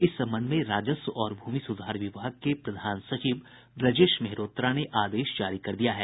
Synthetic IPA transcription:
ɪsːɐ̃mbənd̪mẽɾaːd͡ʒəsɔːɾbʱuːmisʊd̪ʱaːɾʋɪʋaːəɡ̚kepɾɐd̪ʱaːnsɐt͡ʃiːʋ | bɾɐd͡ʒeːʃmeɦɾoːt̪ɾaneʔaːd̪eːʃd͡ʒaːɾikɐɾd̪ijaɦɛː

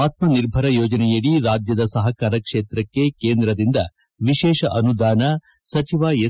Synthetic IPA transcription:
aːt̪̚mɐniɾbʱɐɾɐjoːd͡ʒɐnɛjɐɽiɾaːd͡ʒjɐd̪ɐsɐɦɐkaːɾɐkʂeːt̪ɾɐkːe̞keːnd̪ɾɐd̪ind̪ɐ | ʋiʃɛːʃɐʔɐnud̪aːnɐ | sɐt͡ʃiʋaːje

